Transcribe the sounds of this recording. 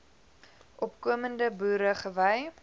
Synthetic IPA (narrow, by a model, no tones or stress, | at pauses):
ʔɔpkuəməndəbuːɾəχəvəj